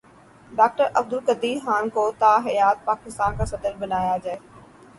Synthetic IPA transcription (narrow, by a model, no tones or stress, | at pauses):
ɖaːk̚ʈəɾʔɐb̚d̪ʊlkɐd̪iːɦaːnkoːt̪aːɦɐjaːt̪̚paːkɪst̪aːnkʰaːsɐd̪əlbɐnaːjad͡ʑae